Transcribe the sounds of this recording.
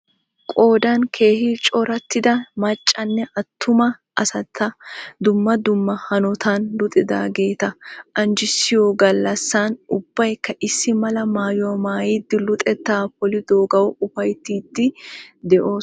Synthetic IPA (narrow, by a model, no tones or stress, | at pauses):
kʼo̞ːd̪ɐnkʰe̞ːhɪt͡ʃʼɔɾɐt̪ːɪd̪ɐmɐt͡ʃʼːɐnːɛʔɐt̪ʰːʊmɐʔɐsɐt̪ʰːɐd̪ʊmːɐd̪ʊmːɐhɐnɔt̪ʰanlʊt̪ʼɪd̪a̰ːɡe̞ːt̪ɐʔɐnd͡ʒɪsːɪjoɡɐlːɐsːaːnʊbːɐjkːɐʔɪsːɪmɐlɐmaːjɔwɐmaːjid̪ːɪlʊt̪ʼɛt̪ːaːpɔlɪd̪oːɡɐwɔʊfɐjt̪ːiːd̪ːɪd̪ɛʔo̞ːs